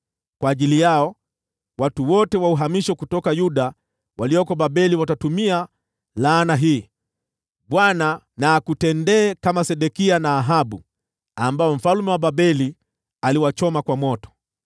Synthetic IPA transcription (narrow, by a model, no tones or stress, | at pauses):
kwaːʄilijaɔ | watuwɔtɛwauɦamiʃɔkutɔkajuɗa | walijɔkɔɓaɓɛliwatatumia | laːnaɦiː | ɓwana | naːkutɛndɛːkamasɛɗɛkianaːɦaɓu | ambaɔm̩falmɛwaɓabɛli | aliwat͡ʃɔmakwamɔtɔ̥